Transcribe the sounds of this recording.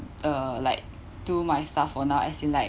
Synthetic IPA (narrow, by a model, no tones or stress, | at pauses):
ʔəla̰ɪk̚ | tumajstafɔnawʔa̰sĩnlaɪ